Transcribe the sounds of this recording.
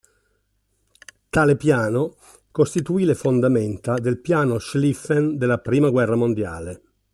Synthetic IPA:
t̪aːlepjaːno | kost̪it̪uiːlefond̪ament̪ad̪elpjaːnoʃlifend̪elːapɾiːmaɡwɛrːamond̪ja̰ːle

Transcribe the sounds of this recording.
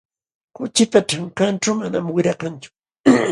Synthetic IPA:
kʊt͡ʃɪpaʈ͡ʂaŋkanʈ͡ʂawmanamwɪɾɑkant͡ʃʊ̥

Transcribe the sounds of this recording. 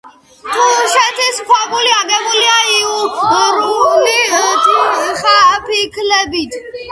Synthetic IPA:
t̪ʰuʃɛt̪ʰisχʰwaɡuliaɡɛmuliaiuɾulit̪ʼχapikʰlɛbit̪ʰ

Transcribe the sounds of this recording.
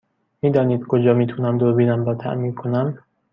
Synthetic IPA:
miːd̪ɒːniːd̪̥̚kʰod͡ʒɒːmiːt̪ʰunæmd̪obiːnæmbɒːt̪ʰæ̰ʔmiːɾkʰonæm

